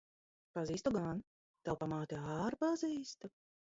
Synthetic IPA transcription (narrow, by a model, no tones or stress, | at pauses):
paziːst̪uɡan | t̪awpamaːt̪iaːɾpaziːst̪u